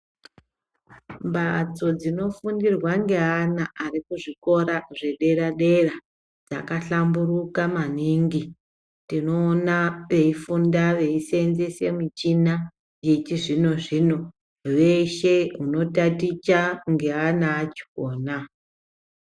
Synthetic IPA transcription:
mbat͡so̞d͡zino̞fundirwaŋɡe̞anaarikuʐiko̞ɾaʐe̞ɗe̞ɾaɗe̞ra | d͡za̰kaɬamburukamaniŋɡi | tino̞ːnaʋe̞ifundaʋe̞isenzese̞mit͡ʃina | jet͡ʃiʐino̞ʐino̞ | we̞ʃeɦuno̞tatit͡ʃaŋɡe̞anaːt͡ʃi̥koːna

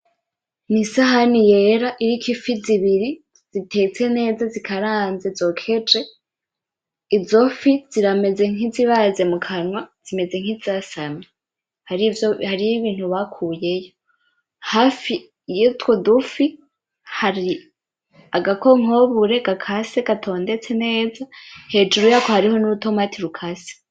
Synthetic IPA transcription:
nisaɦanije̞ɾaʔiɾikʰifiziβiɾi | z̥itʰe̞t͡se̞ne̞ːzazikʰaɾaːnzezo̞kʰe̞d͡ʒe̞ | izo̞fiz̥iɾame̞ze̞ŋiziβaze̞mukʰanwaz̥ime̞ze̞ŋ̥izasame | haɾivjohaɾijiβiːn̥huβakʰuːje̞jo̞ | haːfi | jitwodufi | haɾi | aɡako̞ŋo̞βuɾe̞ɡakʰasekatʰo̞ːnde̞t͡se̞ne̞ːzahe̞ːd͡ʒuɾujaːko̞haɾiho̞nuɾuto̞matiɾukʰase̥

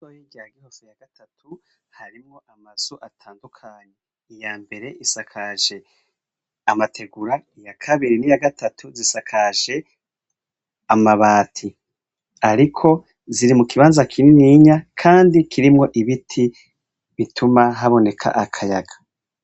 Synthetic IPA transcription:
ojiɟaɡihofujaɡ̥atʰatʰu | haɾimŋo̞ʔamaz̥oʔatʰaːndukʰaɲe | ijaːmbe̞ɾe̞ʔisakʰaʒe̞ | amatʰe̞ɡuɾaijakʰaβiɾinijaɡatatʰuzisakʰaʒe̞ | amaβaːtʰi | aɾikʰo̞ | ziɾimukiβaːnzakʰininiɲakʰaːndikʰiɾimŋo̞ʔiβitʰi | βitʰumaɦaβo̞ne̞kʰa̰ʔakʰaja̰ɡḁ

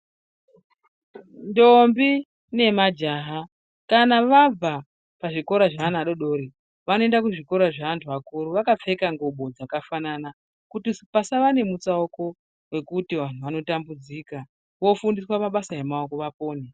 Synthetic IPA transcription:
ndombi | ne̞mad͡ʒaɦa | kanaʋab͡va | paʐiko̞ɾaʐaanaɗo̞ɗo̞ːɾi | ʋanoe̞ndakuʐiko̞ɾaʐaantʰuakuɾuʋakap͡fe̞kaŋɡoɓo̞d͡zakafanana | kutispasaʋane̞mut͡saoko̞ | we̞kutiʋan̤uʋano̞tambud͡ziːka | ʋo̞fundiswamaɓasaemaoko̞ʋapo̞ːne

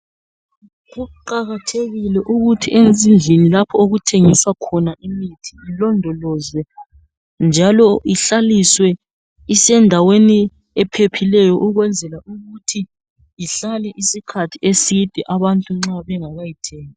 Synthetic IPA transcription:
ɣuuǃaɣatʰeɣilɛʔuɣutʰiʔend͡zʱind͡ɮʱenilapʰɔoɣutʰeŋiswakʰɔnaʔimitʰi̥ːlɔndʱɔlɔzwɛ | nd͡ʒʱalɔiɬaliswɛ | isɛndʱaweni | ɛpʰepʰilɛjɔʔuɣwɛnd͡zʱɛlauɣutʰi | iɬalɛʔisikʰatʰiesid̥ʱɛʔaβantʼuŋ͡ǁaβɛŋaβajitʰɛːŋa

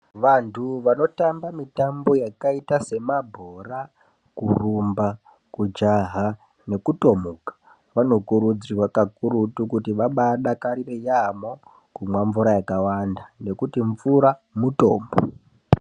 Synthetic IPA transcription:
ʋantʰuʋano̞tambamitambo̞jakaitase̞mabʱora | kurumba | kud͡ʒaɦa | ne̞kuto̞mukḁ | ʋano̞kuɾud͡zirwakakuɾutukutiʋaɓaɗakaɾirejamo̞ | kumwaɱvuɾajakawandane̞kutiɱvuɾamuto̰ːmbo̰

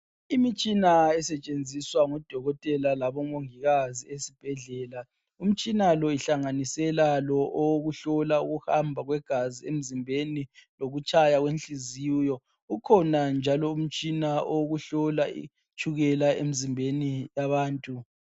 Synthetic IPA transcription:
imit͡ʃʼinaɛsɛt͡ʃʼend͡zʱiswaŋɔd̥ʱɔɣɔtʼɛlalaβɔŋoŋiɣaziesib̥ʱɛɮɛːla | um̩t͡ʃʼinalɔiɬaŋanisɛlalɔʔowɣuɬɔlauɣuhambʱaɣwɛɡ̥ʱaziem̩zimbʱeniloɣut͡ʃʼʰajaɣwenɬʼizijɔ | ukʰɔnand͡ʒʱalɔum̩t͡ʃʼinaʔoɣuɬɔlaḭ | t͡ʃʰʼuɣɛlaemizimbʱenijaβaːntʼu

